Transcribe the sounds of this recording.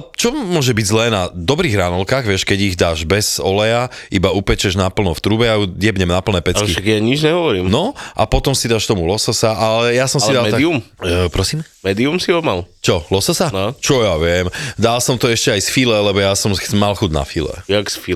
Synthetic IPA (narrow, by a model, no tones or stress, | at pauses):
t͡ʃɔmʊɔʒɛbiɟzlɛːnad̪ɔbɾiːɣɾanɔlkaːɣʋɪɛʃkɛɟiɣd̪aːʒbɛz̥ɔlɛjaʔibaupɛt͡ʃɛʒnapl̩nɔft̪ɾuːbɛjaudɪɛbɲɛmnapl̩nɛːpɛkiʃaɡjaɲid͡ʒɲɛɦɔʋɔɾiːmnɔʔa̰pɔt̪ɔmsid̪aːʃt̪ɔmulɔsɔsaʔalɛjasɔ̃msid̪aliumpɾɔsiːmmɛːd̪iumsiɔmalt͡ʃɔlɔsɔsaat͡ʃɔjaʋɪɛmd̪alsɔmt̪ɔɛʃcɛajsfilɛlɛbɔjasɔmmalxud̪na̰filɛ̰jaksfi